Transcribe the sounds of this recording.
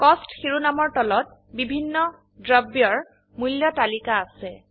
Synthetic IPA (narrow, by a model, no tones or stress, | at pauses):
kɔstxiɹunamɔɹtɔlɔt̚ | bibʱinːɔ | dɹabjɔɹ | muljɔtalikaːsɛ